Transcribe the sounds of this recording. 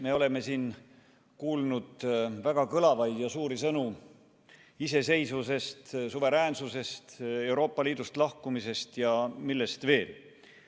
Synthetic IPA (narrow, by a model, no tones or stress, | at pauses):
me̞o̞le̞me̞siːn | kuːlnud̪̥væɡ̥ɑkɤlɑvɑjd̥̪jɑsuːɾisɤnu | ise̞se̞jsvuse̞st̪suve̞ɾæːnsuse̞st̪e̞wɾo̞ːpːˑɑliːd̪̥ust̪lɑhkumise̞st̪jɑmilːe̞st̪ve̞ːl